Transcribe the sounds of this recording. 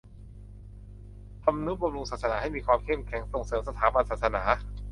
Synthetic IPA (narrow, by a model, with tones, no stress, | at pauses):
t̪ʰa˧mnu˦˥p̚ba˧mɾu˧ŋsaː˨˩t̪̚sa˧naː˩˦ha˥˩jmiː˧kʰwaː˧mkʰe˥˩mkʰɛ˩˦ŋso˨˩ŋsɤː˩˦msa˧t̪ʰaː˩˦ba˧nsaː˨˩t̪̚sa˧naː˩˦